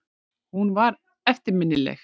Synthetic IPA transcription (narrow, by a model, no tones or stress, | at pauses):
hunvaɾ | ɛft̪ɪɾmɪnːɪlɛ̰x